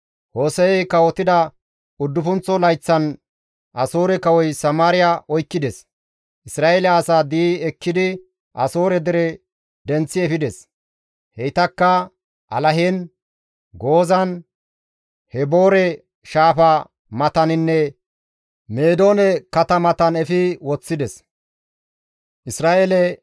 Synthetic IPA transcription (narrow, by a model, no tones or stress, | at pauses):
hoːsɛɛjkɐwɔt̪ɪd̪ɐ | ʊd̪ːʊfʊnt͡sːɔlɐjt͡sːɐn | ʔɐsoːɾɛkɐwɔjsɐmaːɾɪjaʔɔjkːɪd̪ɛs | ʔɪsɾaːʔeːlaːsaːd̪iːɛkːɪd̪ɪ | ʔɐso̞ːɾɛd̪ɛɾɛ | d̪ɛnt͡sːɪɛfɪd̪ɛs | hɛjt̪ɐkːɐ | ʔɐ̰lɐɦen | ɡo̞ːzɐn | hɛbo̞ːɾɛ | ʃaːfɐ | mɐt̪ɐnɪnːɛ | meːd̪o̞ːnɛkɐt̪ɐmɐt̪ɐnɛfɪwɔt͡sːɪd̪ɛs | ʔɪsɾaːʔeːlɛ